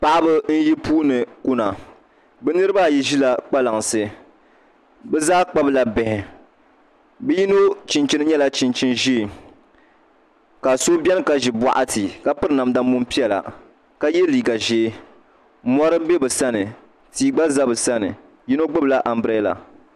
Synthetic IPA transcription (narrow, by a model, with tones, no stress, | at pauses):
pa˨ʔa˦bɨ˦n̩˦ji˦puː˦nɨ˨ku˦na˨ | bɛ˦nɨ˦ɾɨ˦ba˦˨ji˦ʒi˦la˨k͡pa˦la˨ŋsɨ˦ | bɛ˦zaː˦k͡pa˦bla˨bɛ˨hɪ˨ | bɛ˦ji˦no˦t͡ʃi˨nt͡ʃi˦nɨ˦ɲɛ˦la˦t͡ʃi˨nt͡ʃi˦nʒi˦˨ | ka˨so˦bɛ˦n˦ka˦ʒi˨bʷa̰˦ʔa˦ti˨ka˦pɨ˦ɾɨ˦na˨m˦da˦m˦mu˦mpi˦ɛ˨la̰˨ | ka˦jɛ˦liː˨ɡa˨ʒeː˦ | mɔ˦ɾɨ˦bɛ˦bɨ˨sa˦nɨ˨ | tiː˦ɡ͡ba˦za˦bɨ˨sa˦nɨ̰˨ | ji˦no˦ɡ͡bɨ˦bɨ˨la˦ʔa˨m˦bɾe˦la̰˨